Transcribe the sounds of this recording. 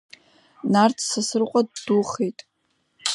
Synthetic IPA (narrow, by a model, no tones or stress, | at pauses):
nart͡sʰsasɨrqʷʼadːuχejtʼ